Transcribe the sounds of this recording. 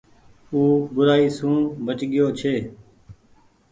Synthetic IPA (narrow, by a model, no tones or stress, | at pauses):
uːbʊɾaːiːsũːbət͡ʃɠɪjoːt͡ʃʰeː